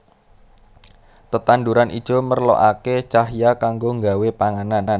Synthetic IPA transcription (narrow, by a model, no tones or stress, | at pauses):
t̪ət̪anduɾanʔḭd̥ʒ̥o̤mərlo̰ʔaket͡ʃaɦjakaŋɡoŋɡawepaŋananan